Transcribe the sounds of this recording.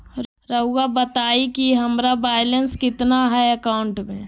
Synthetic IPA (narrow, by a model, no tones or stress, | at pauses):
ɾəɦuɡabət̪aːikiɦɐmɾabaːjlənskɪt̪naɦɛəkaːʊ̃ɳʈmẽ